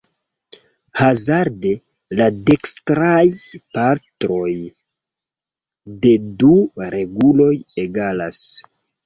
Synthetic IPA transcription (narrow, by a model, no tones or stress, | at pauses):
hazaɾde | ladekstɾajpaɾtɾo̞j | de̞duɾe̞ɡulo̞jeɡala̰s